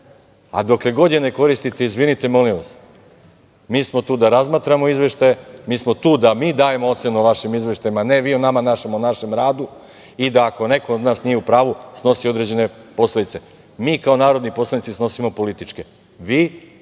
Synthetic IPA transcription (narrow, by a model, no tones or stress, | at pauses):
a̰d̪o̞kle̞ɡo̞d̪ene̞ko̞ɾist̪it̪e̞izʋinit̪e̞mo̞liʋas | miːsmo̞t̪uːd̪aɾazmaːt̪ɾamo̞izʋe̞ʃt̪ajemiːsmo̞t̪uːd̪amiːd̪aːje̞moo̞t̪se̞nuʋaʃimizʋe̞ʃt̪ajimane̞ʋiːonamanaʃemonaʃe̞mɾaːd̪u | id̪aːko̞ne̞kood̪naːsnije̞upɾaːʋusno̞sio̞d̪ɾed͡ʑe̞ne̞po̞slˠed̪it̪se̞ | miːkao̞naːɾo̞d̪nipo̞slˠanit̪isno̞simo̞po̞lit̪it͡ʃke̞ | ʋiː